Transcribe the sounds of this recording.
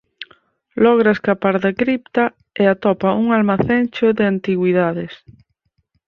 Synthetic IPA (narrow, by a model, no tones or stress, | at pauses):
lɔɣ̞ɾaeskapaɾðakɾipt̪a | eat̪ɔpauŋalmaθent͡ʃoðɪant̪iɣwiðaðɪs